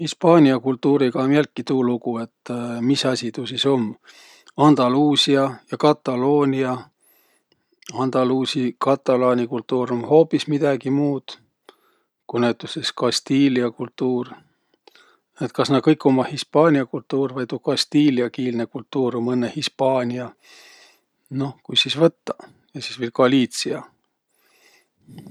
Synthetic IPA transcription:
hispɑːnʲiɑkult̪ːuːɾiɡɑmiælt̪̚kit̪uːluɡ̥ue̞t̪ːmisɑsʲit̪usiso̞m | ɑnd̪̥ɑluːsiɑjɑkɑt̪ːˑɑlo̞ːnʲiɑ | ɑnd̪̥ɑluːsikɑt̪ːˑɑlɑːnʲikult̪ːuːɾumho̞ːpːˑismid̪̥ɑɡ̥imuːd̪̥ | kunæwt̪ːˑuseskɑst̪iːliɑkult̪ːuːr | et̪kɑsnɑtkɤjkːˑo̞mɑhispɑːnʲiɑkult̪ːuːrvɑjt̪ukɑst̪iːliɑkiːlnekult̪ːuːɾomɤnːehispɑːnʲiɑ | no̞hkujsisvɤt̪ːɑ | jɑsisvilkɑlʲiːt̪siɑ

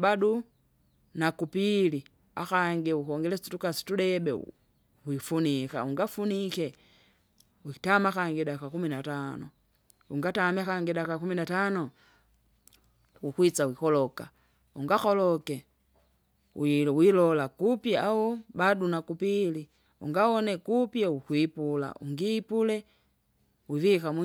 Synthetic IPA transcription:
badu | nakupili | a̰xaŋɡiukɔŋɡɛlɛi̥tukasi̥tudɛbɛ̰ | hwifunika̰uŋɡafunikɛ | wiki̥tamakaŋɡiɗakakuminatanɔ̰ | uŋɡatamiakaŋɡiɗakakuminatanɔ | ukwit͡sawikɔlɔka | uŋɡaxɔlɔkɛ | wiwilɔlakupjawɔbadunakupili | ṵŋɡawɔnɛkupjaukwipula̰ṵŋɡipulɛ | wivikam

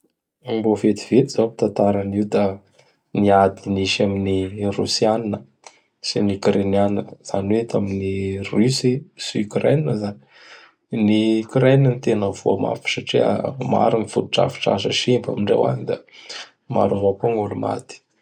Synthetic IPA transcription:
mbofet̪i̥v̥et̪izapi̥t̪ant̪aɾaniud̪a | niad̪iniʃaminirusianinə | sinukɾenianiəz̥aniwet̪aminirysisikɾeninəzani̥ | nikɾenənit̪enəvuama̰fi̥saʈ͡ʂia̰ma̰ɾinifuɾuʈ͡ʂa̰fi̥ʈ͡ʂa̰ʃə̰ʃimba̰miɳɖ͡ʐḛwa̰nid̪a | ma̰ɾuzokoŋoluma̰t̪i̥

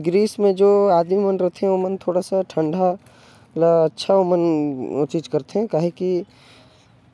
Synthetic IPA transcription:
ɡɾiːsmẽd͡ʒoːaːd̪mimɐnɾɐɦt̪eɦɛ̃omənt̪ʰoːɽasaʈʰə̃ɳɖʱa | laɐtːʃʰaomənt͡ʃiːd͡ʒkɐɾt̪eɦɛ̃kaːɦiki

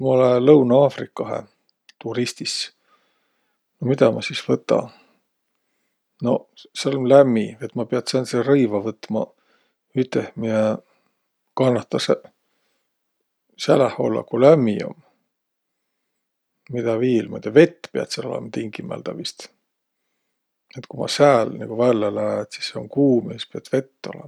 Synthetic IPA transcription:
mɑolelɤwnɑɑːfrikːˑɑɦḛ | t̪uɾist̪is | nomid̪̥ɑmɑsisvɤt̪ːˑɑ̰ | no̞̰selnlæmːiet̪ːˑmɑpeɑt̪seɑnt̪serɤjvɑvɤt̪ːmɑ̰ | yt̪ːehmie | kɑnːɑt̪ːɑse | sælæho̞̰lːɑ̰kulæmːio̰m | mid̪̥ɑviːlmɑ̰d̪̥ɑve̞t̪ːpeɑ̰t̪selo̞lḛmɑt̪iŋkimæ̰ld̪̥ɑvist̪ | et̪kumɑ̰sæːlnḭɡ̥uvælːelæet̪si̥sːeoŋkuːmispiɑt̪ve̞t̪ːo̞̰lḛmɑ

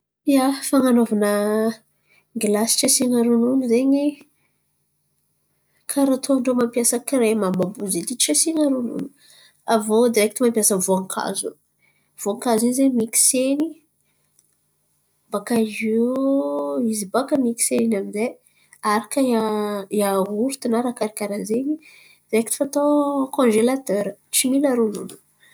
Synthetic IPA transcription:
jafaŋanovanə | ɡilasi̥ʈ͡ʂasiŋaɾununuzeɲi | kʰaɾat̪ʰoɳɖ͡ʐomampijasəkiɾemambabuzet̪iʈ͡ʂasiŋaɾunṵnu̥ | avod̪iɾɛk̚t̪umampjasəvoaŋkʰa̰zu | v̥oaŋkazinzemiki̥seni | bakaʒo | izibakəmiki̥seninamize | aɾakəaiauɾt̪inaɾakaɾikʲaɾanzeɲi | d̪̥iɾɛkt̪i̥fat̪okõnʒelat̪øɾət͡similaɾulṵnu̥

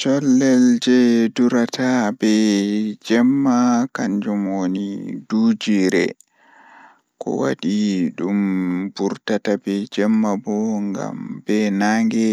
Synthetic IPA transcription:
t͡ʃɔlːɛld͡ʒɛduɾatʰabɛd͡ʒɛmːakaɲd͡ʒumwonidud͡ʒiɾɛ̰ | kɔ̰wa̰ɗiɗumbuɾtatabɛd͡ʒɛmːabɔŋɡa̰mbɛnaŋɡɛ

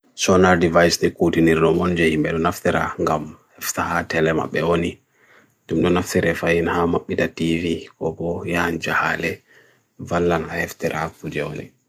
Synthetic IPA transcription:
sɔnaɾdivajsdɛkutiniɾnɔmɔnd͡ʒɛhimbɛɗɔnaftiɾa̰ŋɡamhɛftahatɛlɛma̰ɓɛwoni | d͡ʒumɗɔnaftiɾɛfajinhamaɓːitativikɔbɔjand͡ʒaha̰lɛ | valːanahɛftɛɾʔakud͡ʒɛwo̰nḭ

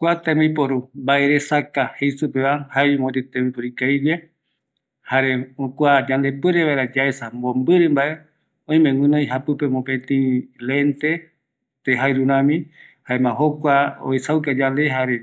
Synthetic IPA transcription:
kʷat̪ẽmĩpoɾumbaʔeɾesakahejsupeβahajmot̪it̪ẽmĩpoɾikajd͡ʒe | haɾeokʷad͡ʒand̪epɨɾeβaeɾad͡ʒaesambõmbɨɾɨmbaʔe | õĩmẽwʷɨ̃nõj̃ɦapɨpemõpẽt̪ĩlent̪e | t̪eɦajɾuɾãmĩhaemãɦokʷao̰isawkad͡ʒand̪eɦaɾe

